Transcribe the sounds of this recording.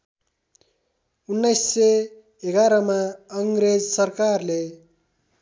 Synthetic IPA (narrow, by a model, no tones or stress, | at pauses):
unːʌjsːe | eɡaɾʌmaʌŋɡɾed͡zsʌrkarle